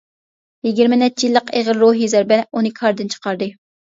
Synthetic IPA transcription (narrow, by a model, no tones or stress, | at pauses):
jiɡʲiɾmɪnɛt͡ʃːijilˠːəqeʁəɾɾoɦizɛɾbɛunɨkʰɑɾd̪ɨnt͡ʃʰə̥qɑɾd̪ɨ